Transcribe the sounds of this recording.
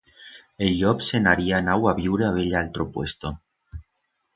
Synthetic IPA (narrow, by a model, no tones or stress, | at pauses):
eʎʎopsenaɾianawaβiwɾeaβeʎalt̪ɾopwest̪o